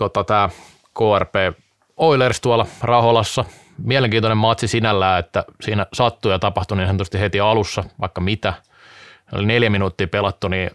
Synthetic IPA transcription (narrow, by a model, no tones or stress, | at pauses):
t̪ot̪ɑt̪æː | koːærpeː | oilerst̪uɑlɑrɑholɑsːɑ | miæleŋkiːnt̪onemɑt̪sisinælːæːet̪ːæ̰siːnæsɑt̪ːujɑt̪ɑpɑht̪uninsent̪øst̪ihet̪iɑlusːɑʋɑ̰ikːɑmit̪æ | no̰lineljæminuːt̪ːiːpelɑt̪ːuniː